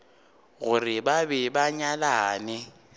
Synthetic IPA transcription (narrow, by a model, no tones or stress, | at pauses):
ɣʊrɪbabɛbaɲalaːnɪ